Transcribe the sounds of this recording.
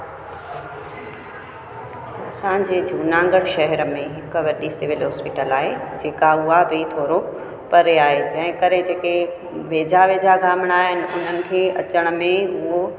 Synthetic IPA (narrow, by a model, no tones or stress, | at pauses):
ɐsãɲd͡ʑeːd͡ʑʱuːnãːŋɡəɽʃɐɦɛɾəmẽɦɪkʋɐɗisɪʋɪlɦɔːspɪʈəlaːɦed͡ʑeːkaʊɦabʱit̪ʰoːɾo | pɐɾeaːɦed͡ʑɐ̃ɦɪ̃kɐɾed͡ʑeːke | ʋeːd͡ʑaʋeːd͡ʑaɡʱaːmɪɽ̃aːɦɪnɪ̆ʊn̤ənɪ̆kʰeːɐt͡ɕəɽ̃əmẽʊɦo